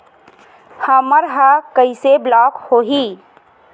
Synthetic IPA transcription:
həməɾɦəkəɪseblɔːkhoːɦi

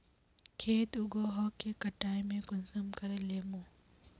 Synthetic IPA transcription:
kʰeːt̪ʊɡoːɦɔːkʰːeːkəʈaːimẽkʊnsəmkəɾeːleːmõː

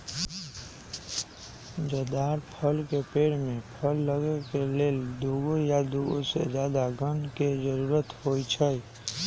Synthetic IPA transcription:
d͡ʒəd̪aɾpʰəlkepeːɽmẽpʰəlːəɡəkeleːld̪uɡojad̪uɡo̰sḛd͡ʒjad̪aɡənked͡ʒəɾuɾət̪hojt͡ʃʰəj

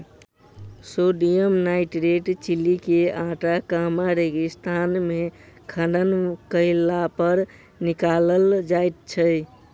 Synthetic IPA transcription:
soɖijəmnaɪʈɾeʈt͡ʃilikeãʈakamaɾeɡist̪ʰanmekʰə̃ɳɖənkəɪlapəɾ | nikaləld͡ʒajt̪̚t͡ʃʰə

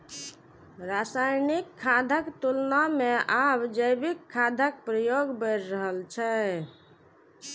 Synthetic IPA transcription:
ɾasajnikʰːad̪ʱəkt̪ulnameʔabd͡ʒəjbikʰːad̪ʱəkpɾəjoɡbəɾɾəɦəlt͡ʃʰɛ

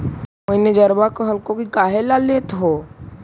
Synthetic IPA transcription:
moned͡ʒəɾbakəɦəlkõkikaɦelalet̪ɦo

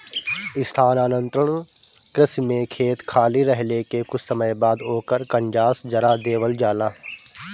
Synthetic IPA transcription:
ɪst̪ʰaːnaːnə̃nt̪ɾəɳ̃ | kɾɪsmẽkʰeːt̪kʰaːliɾəɦlekekʊt͡ʃʰsəməjbaːd̪oːkəɾkə̃ɲd͡ʒaːsd͡ʒɐɾad̪eːʋəld͡ʒaːlaː

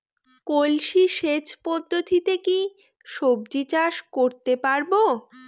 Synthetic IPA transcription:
kolʃiʃet͡ɕpɔd̪ʱːot̪ʰit̪eki | ʃobd͡ʑit͡ɕaʃkoɾt̪epaɾbo

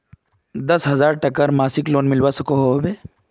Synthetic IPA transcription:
d̪ɐsɦɐzaːɾʈəkəɾmaːsikloːnmɪlʋasəkoɦobe

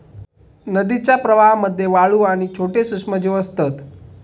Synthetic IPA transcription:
nəd̪it͡ɕapɾəʋaɦməd̪ʱjeʋaɭuañit͡ʃʰoʈesuʂməd͡ʑoəst̪ət̪

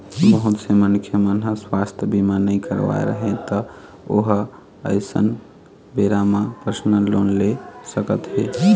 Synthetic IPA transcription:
bəɦut̪semənkʰjəmənɦə̃swast̪ʰjbimanəɪkəɾʋa̰ḛɾə̰ɦẽt̪ə | oɦ | əɪsə̰n | beɾamapəɾsnəlonlesəkət̪ɦe

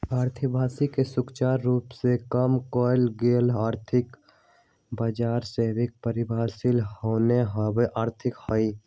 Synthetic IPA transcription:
aːɾt̪ʰəbʱaːsikesʊkt͡ʃaːɾːuːpsekəmkɔːɪlɡeːlaːɾt̪ʰɪk | bəd͡ʒaːɾseːbɪk̚pəɾɪbʱaːsɪlɦoːneɦəweʔaːɾt̪ʰɪkhəi

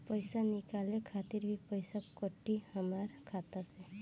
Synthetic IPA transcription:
pəɪsanɪkaːlẽkʰaːt̪ɪɾbʱipəɪsakəʈːihəmaːɾkʰaːt̪ase

